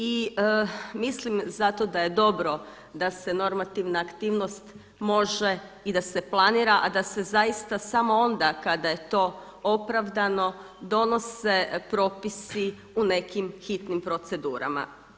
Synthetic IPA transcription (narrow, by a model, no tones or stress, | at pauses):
i | mislimzat̪o̞d̪aje̞d̪o̞bɾo̞ | d̪ase̞no̞ɾmat̪iʋnaːkt̪iːʋno̞st̪ | mo̞ʒe | id̪ase̞plˠaniːɾaʔad̪ase̞zajist̪asamo̞ond̪akad̪aje̞t̪o̞ | o̞pɾaʋd̪ano̞ | d̪o̞no̞se̞pɾo̞pisi | une̞kimxit̪nimpɾo̞t̪se̞d̪ṵːɾa̰ma̰